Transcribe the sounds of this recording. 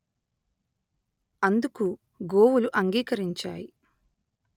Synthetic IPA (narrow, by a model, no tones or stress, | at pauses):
ɐnd̪uku | ɡoːwuluʔɐŋɡiːkɐɾiɲt͡ʃa̰ːji